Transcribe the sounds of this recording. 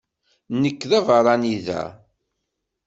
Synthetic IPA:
nəkːðævəɾˤɑniðæ̰

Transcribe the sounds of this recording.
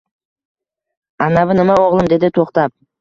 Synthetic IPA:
anavɪnɪmaoʁlˠɪmd̪e̞d̪ɪt̪ʰoqt̪ap̚

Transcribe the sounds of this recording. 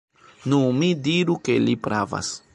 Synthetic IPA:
numidiɾuke̞lipɾava̰s

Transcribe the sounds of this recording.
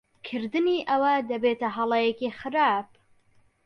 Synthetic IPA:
kʰɨɾd̪ɨniʔɐwɐd̪ɐbeːt̪ɐɦɐlˠɐjekixɨɾaːp

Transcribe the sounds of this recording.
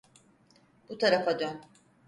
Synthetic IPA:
but̪ʰaɾafad̪øn

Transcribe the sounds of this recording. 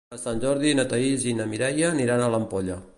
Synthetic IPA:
əsanʲʒɔɾðinət̪əizinəmiɾɛjəniɾanələmpoʎə

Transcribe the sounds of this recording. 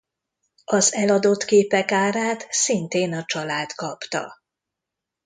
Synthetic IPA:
ɒzɛlɒd̪o̞t̪keːpɛkaːɾaːt̪sint̪eːnɒt͡ʃɒlaːt̪kɒpt̪ɒ̰

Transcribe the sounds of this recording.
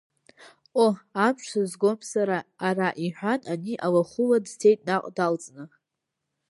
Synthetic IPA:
oamʃʷazɡo̞msaɾaːraʔiħʷᶣananiʔawaχʊladtʰe̞jtʼnaqʼdalt͡sʼnɨ

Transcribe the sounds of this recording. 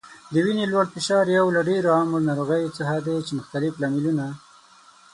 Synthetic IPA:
d̪əwinelwaɽfɪʃɑɾjawlaɖeɾoaməɾnɑɾoɣəjt͡səɦad̪et͡ʃemʊxt̪alɪflɑmiluna

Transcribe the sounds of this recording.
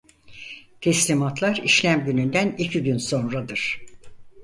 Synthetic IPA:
t̪ʰɛslʲimat̪lˠaɾiʃlʲæmɟynynd̪ænicʰiɟynso̞nɾad̪ɯɾ̥

